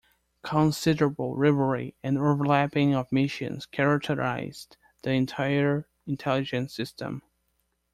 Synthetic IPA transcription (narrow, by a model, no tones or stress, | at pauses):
kʰə̃nsɪdəɹəbl̩ˠɹɪvə˞iɨ̃novə˞læpɪ̃ŋʌvmɪʃɨ̰̃nz̥kʰɛɹɨk̚tʰə˞a̰ɪz̥ | ðiɨ̃ntʰaɪə˞ | ɪ̃ntʰɛlˠɨd͡ʒɨ̃nsɪstʰə̰̃m